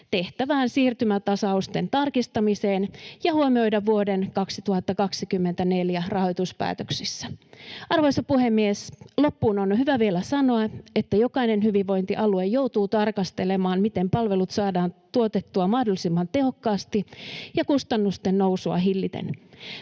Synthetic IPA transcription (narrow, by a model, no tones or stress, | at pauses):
t̪e̞ht̪æʋæːnsiːrt̪ymæt̪ɑsɑust̪e̞nt̪ɑrkist̪ɑmiseːnjɑhuomio̞jdɑʋʋuodenkɑksit̪uhɑt̪ːɑkɑksikymːent̪æne̞ljærɑho̞jt̪uspæ̰ːt̪øksisːæʔɑrʋojsɑpuhemːieslo̞pːuːnonhyʋæʋielæsɑno̞ɑet̪ːæjo̞kɑinenhyʋiʋʋo̞jnt̪iʔɑluejjowt̪uːt̪ɑrkɑst̪e̞le̞mɑːnmit̪empɑlʋe̞lut̪sɑːdɑːnt̪uot̪et̪ːuɑmɑhdolisimːɑnt̪e̞ho̞kːɑːst̪ijɑkust̪ɑnːust̪ennowsuɑ̰ɦilːit̪ḛn